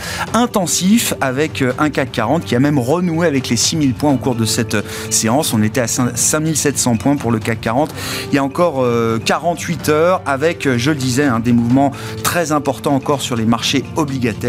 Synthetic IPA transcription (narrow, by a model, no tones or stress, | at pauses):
ɛ̃t̪ɑ̃sifavɛkøʔɛ̃kakːaʁɑ̃t̪kʲiamɛmʁənueavɛklesimilpwɛ̃okuʁd̪əsɛt̪ø | seɑ̃sɔ̃net̪ɛasɛ̃sɛ̃milsɛt̪sɑ̃pwɛ̃puʁləkakːaʁɑ̃t̪iljaɑ̃kɔʁøkaʁɑ̃t̪ɥit̪œʁavɛkøʒələd̪izɛɛ̃d̪emuvmɑ̃ | t̪χɛzɛ̃pɔʁt̪ɑ̃ɑ̃kɔʁsyʁlemaʁʃeɔbliɡʲat̪ɛʁ